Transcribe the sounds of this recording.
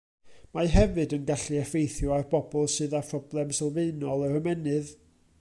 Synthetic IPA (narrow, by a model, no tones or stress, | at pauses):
maɦɛvɨdənɡaɬiɛfejθjʊarbɔbɔlˠsɨːðapʰrɔblˠɛmsɛlˠveɨnɔlˠərəmɛnɨð